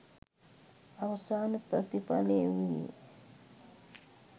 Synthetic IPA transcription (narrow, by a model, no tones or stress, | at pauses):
aʋəsaːnəpɾət̪ipaleːʋḭ